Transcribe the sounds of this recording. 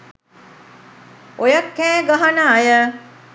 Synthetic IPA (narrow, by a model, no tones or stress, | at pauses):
ojakːɛːɡaɦanaːjə